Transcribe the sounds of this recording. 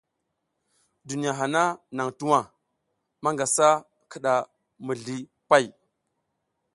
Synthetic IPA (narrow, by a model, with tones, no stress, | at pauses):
du˨ni˨ja˨ɦa˨na˦na˨ŋtu˦wa˨ | ma˦ŋɡa˨sa˦ | kə˨ɗa˨ | mə˨ɮi˨ | pa˦˨j